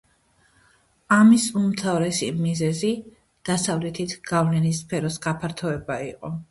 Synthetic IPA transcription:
amisumt̪ʰavɾɛsḭmizɛzi | d̪̥asavlɛt̪ʰit̪ʰɡ̥avlɛnispʰɛɾɔsɡapʰaɾt̪ʰɔɛbaiqʼɔ

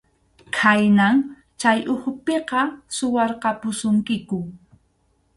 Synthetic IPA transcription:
kʰajnaŋ | t͡ʃajʊkʊpeqɑsʊwɑɾqɑpʊsʊŋkɪkʊ

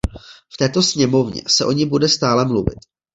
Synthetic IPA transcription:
ft̪ɛːt̪o̞sɲɛmo̞vɲɛ̰sɛʔo̞ɲɪbudɛst̪aːlɛmluvɪ̰t̪

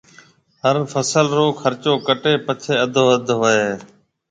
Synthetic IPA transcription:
ɦəɾfʰəsəlɾoːkʰəɾt͡ʃoːkəʈeːpət͡ʃʰeːəd̪ʱoːəd̪ʱɦoːeː

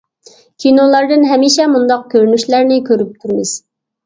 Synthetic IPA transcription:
kʲʰinolˠɑɾd̪ɨnɦɛmiːʃɛmund̪ɑq̚kʲʰøɾnyʃlæɾnɪkʲʰøɾyp̚t̪ʰyɾmɨz̥

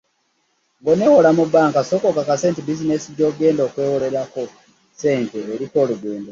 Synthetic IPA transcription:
ŋɡo̞newolamubaːŋkasoːkokakase̞ːntibizine̞siɟo̞ːɡe̞ːndo̞ːkwe̞wole̞ɾako | se̞ːnteːɾiko̞ːluɡweːndo

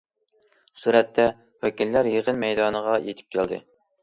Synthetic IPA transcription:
suɾɛt̪ʰːɛ | wækʲillæɾjəʁənmɛjd̪ɑːnəʁɑjet̪ʰɪ̥p̚kʲʰæld̪ɨ̰

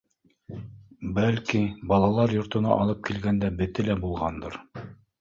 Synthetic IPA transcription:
bælkibɑlˠɑlˠɑɾjŏɾt̪ɤ̆nɑ̰ʔɑlˠɤp̚kilɡænd̪æbɘ̆t̪ɘlæbulˠʁɑnd̪ɤ̰ɾ

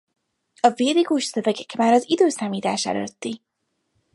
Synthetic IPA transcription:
ɒveːliɡuʃsøvɛɡɛkmaːɾɒzid̪øːsaːmiːt̪a̰ːʃɛ̰lø̰t̪ːi

